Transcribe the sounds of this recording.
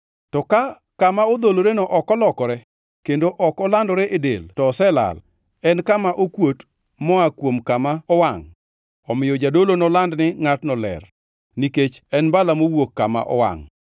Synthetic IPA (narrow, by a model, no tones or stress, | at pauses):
tɔka | kamaod̪oloɾenɔʔɔkɔlɔkɔɾɛ | kendoʔɔkɔlandɔɾɛʔedḛltɔːsɛla̰l | ɛnkamaʔokwot | mɔakwomkamaɔwaŋ | ɔmɪjɔd͡ʒadolonɔlandnɪŋatnɔlɛ̰r | niket͡ʃɛnbalamowokːama̰ʔɔ̰wa̰ŋ